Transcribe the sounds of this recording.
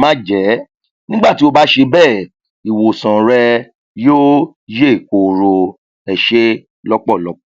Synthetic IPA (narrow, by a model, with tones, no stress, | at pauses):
mã˦d͡ʒɛ˨˦ | nĩ˦ɡ͡ba˦˨ti˨˦o˧ba˦ʃe˧bɛː˦˨ | i˨wo˨sã˨ɾɛ˧ | joː˦ | je˦˨ko˨ɾo˧ | ɛ˧ʃe˦ | lɔ˦k͡pɔ˦˨lɔ˨˦k͡pɔ˦˨